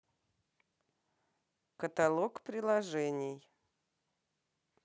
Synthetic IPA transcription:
kət̪ɐlˠokpɾʲɪlˠɐʐɛnʲɪj

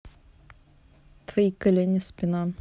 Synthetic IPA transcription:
t̪vɐikɐlʲenʲɪspʲɪnam

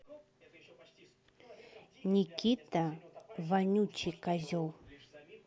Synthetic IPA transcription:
ɲikit̪avanut͡ʃikazow

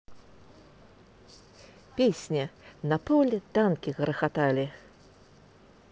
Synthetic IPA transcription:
pʲesʲnʲɛnɐpɔlʲt̪ankʲiɣɾɐxat̪alʲi

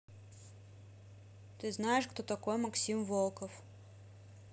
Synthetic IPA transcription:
t̪ɪznajeʃxt̪ɔt̪ɐkɔjmɐksʲimʋɔlˠkɔf

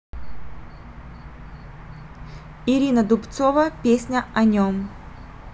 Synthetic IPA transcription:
iɾʲinəd̪ʊpt̪sovəpʲesʲnʲɐɐnʲom

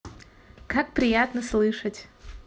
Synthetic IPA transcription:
kak̚pɾʲɪjat̪nəslˠɨʂətʲ

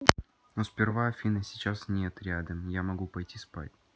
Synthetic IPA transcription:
nospʲɪrvafʲinəsʲɪt͡ɕasnʲet̪ɾʲad̪əmjamɐɡupɐjtʲispa̰tʲ

